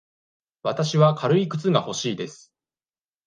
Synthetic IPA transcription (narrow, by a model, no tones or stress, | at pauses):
βat̪aɕiβakʰaɾɯ̟ikɯ̟̥t͡sɨɡaho̞ɕiːd̪e̞sɨ̥